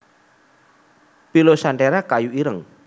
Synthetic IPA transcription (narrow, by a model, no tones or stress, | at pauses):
pilosaɳʈeɾakajuiɾəŋ